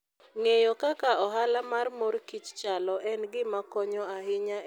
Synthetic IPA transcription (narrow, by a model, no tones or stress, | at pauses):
ŋejɔkakaɔɦalamarmoɾkit͡ʃt͡ʃalɔʔɛnɡɪmakɔɲɔaɦɪɲa